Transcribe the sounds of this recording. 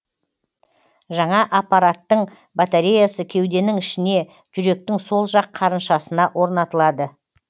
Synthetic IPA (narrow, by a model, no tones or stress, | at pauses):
ʒɑɴɑʔɑpɑɾat̪ːəɴ | bat̪aɾʲejasəkʲʰe̞wd̪e̞nɪŋɪʃɪne̞ | ʒ̥ʏɾe̞k̚t̪ɪŋso̞lˠʒɑqʰːɑɾənʃɑsənɑʔwʔo̞ɾnɑt̪əlˠɑd̪ə